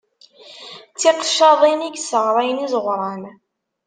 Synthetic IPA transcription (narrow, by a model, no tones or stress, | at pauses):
t͡sːiqʃːɑðˤiniɡsəʁɾˤɑjənizˤəʁʷɾˤɑn